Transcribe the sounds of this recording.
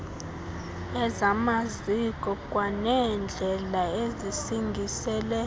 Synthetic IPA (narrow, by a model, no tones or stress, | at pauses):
ɛzamazikʼɔkʼwanɛnd͡ɮʱɛlaezisiŋɡʱisɛːlɛ